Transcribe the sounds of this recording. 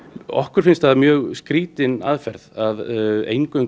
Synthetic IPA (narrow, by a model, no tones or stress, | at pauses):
ɔ̰hkʏɾfɪnst̪aðamjœːɣskɾiːt̪ɪna̰ðfɛɾðaðḛjŋkœŋ